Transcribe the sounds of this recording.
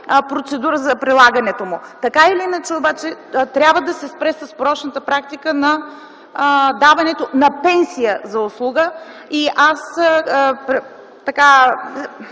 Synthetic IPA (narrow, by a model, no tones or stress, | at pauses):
pɾot̪sɛd̪uɾəzɐpɾilˠaɡənɛt̪omʊt̪ɐkailiinət͡ʃɛobat͡ʃɛt̪ɾʲabvəd̪ɐsɛspɾɛsəspɾɔt͡ʃnət̪əpɾak̚t̪ikənɐ | d̪avɐnɛt̪onɐpɛnsijəzɐʊslˠuɡə | iʔas | pɾɛ | t̪ɐka